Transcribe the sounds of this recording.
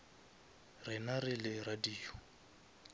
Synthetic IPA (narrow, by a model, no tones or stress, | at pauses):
rɪnarɪlɪradiːɔ